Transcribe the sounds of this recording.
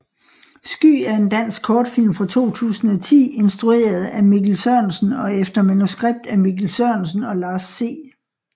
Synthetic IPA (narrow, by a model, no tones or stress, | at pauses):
sɡ̥y̰ːæɐe̝nd̥æn̰sɡ̥̚kʰɒːd̥fil̰mfʁɑ̈t͡sʰo̝̰ːt͡sʰṵːsn̩ɒ̽t͡sʰḭːe̝nsd̥ʁue̝̰ːɐð̞̩ˠæmiɡ̥l̩sɶɐnsən̩ɒ̽efd̥ɐmænusɡ̥ʁeb̥̚d̥æmiɡ̥l̩sœɐnsn̩ɒ̽lɑ̈ːsːe̝̰ː